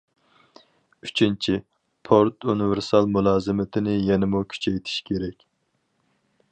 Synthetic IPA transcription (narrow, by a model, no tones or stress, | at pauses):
yt͡ʃʰint͡ʃʰi | pʰoɾt̪ʰunɪvɪɾsɑlˠmulˠɑːzɨmɪt̪ʰɪnɪjɛnɪmukʲʰy̥t͡ʃʰɛjt̪ʰi̥ʃkʲʰeɾɛkʲ